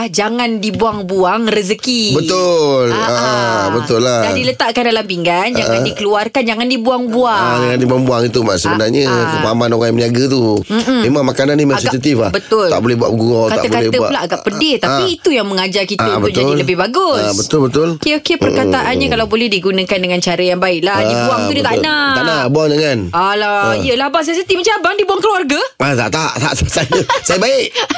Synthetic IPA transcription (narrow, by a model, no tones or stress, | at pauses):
hd͡ʒaŋandibuaŋbuaŋrəzəkibəʊləbət̪ʊlːadadilət̪aʔkandalampiŋɡand͡ʒaʔadikəluarkand͡ʒaŋandibuaŋbuaŋaŋandibuaŋbuaŋit̪umasəbənarɲəəmaamanoɣajmniaɡət̪̬um̩m̩mẽmãŋmakananːĩmɛasiatut̪ifabət̪tʊla̰ʔbolɛbua̰ʔɡuɔtkat̪a̰ʔ̪əbokalɛb̪əalaʔaɡaʔʔpədɪt̪apiit̪ujaŋməŋad͡ʒarkit̪abəud͡ʒ̪aʊdilləbɪhbaɡʊsbət̪ʊlbət̪ʊlkeokepərkat̪aʔanɲakalawbolɛhdiɡunə̃kandəŋant͡ʃaɾəjaŋbaɪʔlaabuaŋt̪udit̪aʔnaanabuaŋdəŋanalaiəlahbas̬ɛsit̪ifmət͡ʃabaŋdibuaŋkluwarɡaat̪a̰ʔt̪a̰ʔt̪aaʔt̪asanəsajəbaɪʔ